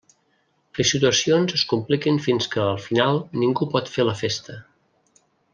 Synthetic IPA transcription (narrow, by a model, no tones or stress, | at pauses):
kesit̪uəsionzəskumplikinfinskəːlˠfinalˠniŋɡupɔt̪feləfest̪ə